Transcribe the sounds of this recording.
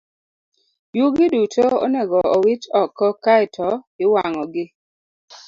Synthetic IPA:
juɡɪdutʰoɔ̰nɛɡɔɔwɪt͡ʃɔkːɔkaɪtʰɔɪwaŋɔɡɪ

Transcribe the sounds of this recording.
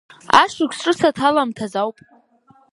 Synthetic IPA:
a̰ʂʷɪkʲʷsʈ͡ʂʼɨsatʰalamtʰazawpʼ

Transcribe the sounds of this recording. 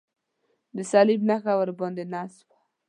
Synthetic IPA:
d̪əsalɪbnaxawəɾbɑnd̪enaswḁ

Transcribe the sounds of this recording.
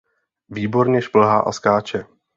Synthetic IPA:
viːbo̞ɾɲɛʃpl̩ɦaːʔa̰skaːt͡ʃɛ

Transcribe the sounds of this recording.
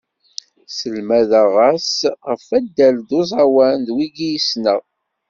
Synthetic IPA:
səlmæðæʁæsʁəfæd̪ːæld̪ozˤɑwænd̪wiɡijisnə

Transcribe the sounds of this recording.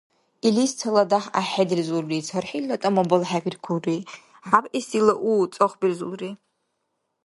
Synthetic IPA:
ilist͡sʰaladaħaħedɨrzulrit͡sʰarħilːatʼamabalħaɡʲʷrkʷʰuri | ħapʼisilaʔut͡sʼoχʷbirzṵlri

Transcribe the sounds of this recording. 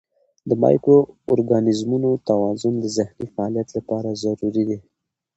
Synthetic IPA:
d̪əmɑ̰jkoːɾɡɑnɪzmunot̪awɑzʊnd̪əzɪhnifaɑlijat̪lapɑɾazaɾuɾid̪i

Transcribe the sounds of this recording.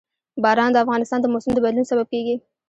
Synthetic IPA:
bɑɾɑnd̪əafɣɑnɪst̪ɑnd̪əmosʊmd̪əbad̪lunsabab̚keɡi

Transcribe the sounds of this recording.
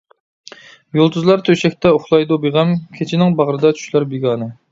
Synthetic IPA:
jolˠd̪uzlˠɑɾt̪ʰøʃɛkʲt̪ɛoχlˠɑjd̪ubeʁɛmkʲʰet͡ʃʰɪnɪŋbɑʁɾɨd̪ɑt͡ʃ̪ʰy̥ʃlæɾbeɡɑːnɨ

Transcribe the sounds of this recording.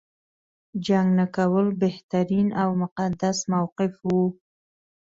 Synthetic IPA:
d͡ʒaŋɡnakawəlbeht̪aɾinawmʊqad̪asmawqɪfwu

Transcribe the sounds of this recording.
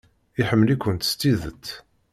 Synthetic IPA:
iħəmːlikʷːənt̪ə̥st̪ːiðət̪ː

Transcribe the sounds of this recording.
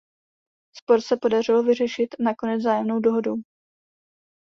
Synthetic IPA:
spo̞ɾsɛpodar̝ɪlovɪr̝ɛʃɪt̪nako̞nɛd͡zzaːjɛmno̞wdo̞ɦo̞duw

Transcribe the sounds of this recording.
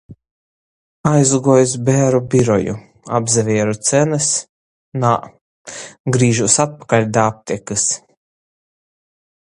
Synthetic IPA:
ajzuɡuɔjusbʲæːɾubʲiɾɔjṵ | a̰bzɛvʲiɛɾut̪sɛnɨs | na | ɡɾiːʒusat̪̚pḁkalʲd̪aːp̚t̪ʲɛkɨs

